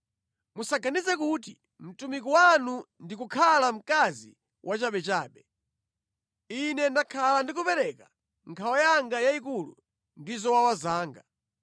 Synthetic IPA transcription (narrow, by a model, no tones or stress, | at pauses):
musaɡanizɛkuti | m̩tumik̬ɔwanundikukʰalam̩kazi | wʔat͡ʃaɓɛt͡ʃaːɓɛ | inɛndakʰalandik̬upɛɾɛka | ŋkʰawajaŋɡajaikulṵ | ndizɔwawazaːŋɡa